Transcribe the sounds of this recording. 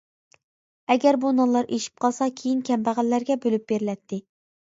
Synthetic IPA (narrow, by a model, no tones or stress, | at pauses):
ɛɡʲɛɾbunɑlˠɑɾʔeʃi̥p̚qʰɑlˠsɑkʲʰejinkʲʰɛmbæʁælːæɾɡʲɛbølyp̚b̥eɾɪlɛt̪ʰːɪ